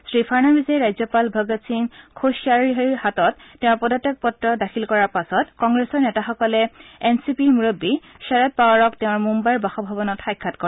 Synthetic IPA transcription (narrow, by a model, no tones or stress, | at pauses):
sɹipʰaɹnabizɛɹajzɔpalbʱɔɡasinkʰoʃiaɹiɦiɹhatɔttːeʊ̃ɹpɔdɔtek̚pɔtɹɔdakʰilkɔɹaɹpasɔtkɔŋɡɹesɔɹnɛtaxɔkɔlɛensipimuɹobːi | ʃɛɹɔt̚pawaɹɔkteʊ̃ɹmumbajɹbaxɔbʱabɔnɔtxajkʰːatkɔ